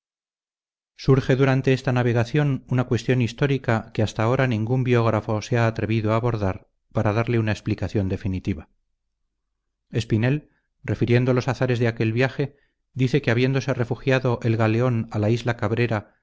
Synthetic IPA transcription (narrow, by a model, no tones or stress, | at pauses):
suɾxe̞ðuɾant̪e̞est̪anaβ̞e̞ɣ̞aθjo̞nunakwe̞st̪jo̞nist̪o̞ɾikakeast̪ao̞ɾanĩŋɡumbjo̞ɣ̞ɾafo̞seaːt̪ɾe̞βiðoaːβo̞ɾðaɾ | paɾaðaɾle̞unaeksplikaθjo̞nd̪e̞finit̪iβa | e̞spine̞l | rre̞fiɾje̞nd̪olo̞saθaɾe̞zðe̞ake̞lβjaxe̞ | d̪iθe̞keaβje̞nd̪o̞sere̞fuxjaðo̞ʔe̞lɣaleo̞nalaizlakaβɾe̞ɾa